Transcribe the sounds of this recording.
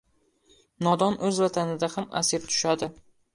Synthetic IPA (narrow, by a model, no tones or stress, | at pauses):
nɒd̪ɒnʔɵzvat̪ʰanɪd̪ahama̰sept̪ʰʊ̥ʃad̪ɪ